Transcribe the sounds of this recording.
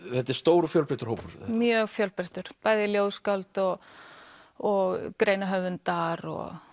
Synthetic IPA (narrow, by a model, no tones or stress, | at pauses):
θɛt̪ɛɾ̥st̪oːwɾʏfjœlpɾɪht̪ʏɾ̥howpʏɾ̥mmjœɣfjœlpɾɛht̪ʏɾ̥paːjðɪljowðskalt̪ɔɣ | ɔɣkɾeːjnaɦœvʏnt̪aɾɔ̰ɣ